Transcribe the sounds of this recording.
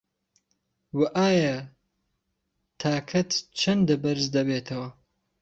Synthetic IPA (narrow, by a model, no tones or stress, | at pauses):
wɐʔaːjɐ | t̪ʰaːkʰɐt̪t͡ʃʰɐnd̪ɨbɐɾzd̪ɐbeːt̪ʰɐwɐ